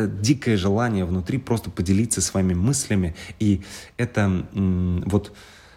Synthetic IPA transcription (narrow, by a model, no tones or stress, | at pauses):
dʲikəjəʐɨlˠanʲɪjəvnʊt̪ɾʲipɾʔo̞st̪əpədʲɪlʲit̪sːəsvɐimʲɪmɨsʲlʲɪmʲɪiɛt̪ə | vo̞t̪